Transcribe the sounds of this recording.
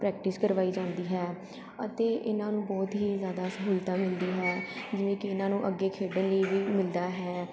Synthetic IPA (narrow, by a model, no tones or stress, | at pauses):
pɾɛːk̚ʈɪskəɾʋaːiːd͡ʒãːnd̪iːɦɛː | ət̪eːʔɪnãːnũːbɔːt̪ɦiːzjaːd̪aːsəɦuːlt̪aːmɪld̪iːɦɛːd͡ʒɪʋẽːkɪɪnãːnũːʔəɡːeːkʰeːɖənləiʋiːmɪld̪aːɦɛː